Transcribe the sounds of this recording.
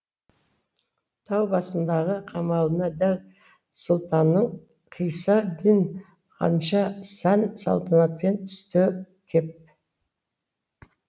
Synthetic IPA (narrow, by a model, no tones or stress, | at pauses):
t̪ʰɑwbɑsənd̪ɑʁəqʰɑmɑlˠənɑd̪æl | sʊlˠt̪ɑnːəɴ | qʰijsɑd̪in | qʰɑ̰nʃɑsænsɑ̰lˠt̪ʰənɑt̪̚pe̞nt̪ʰʏ̥st̪ɪ | kʲʰep̚